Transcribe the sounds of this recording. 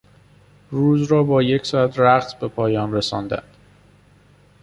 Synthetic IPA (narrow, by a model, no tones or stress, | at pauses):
ɾuːzɾɒːbɒːje̞cʰsɒːæt̪ʰɾæχt̪be̞pʰɒːjɒːnresɒ̰ːnd̪æ̰nd̪̥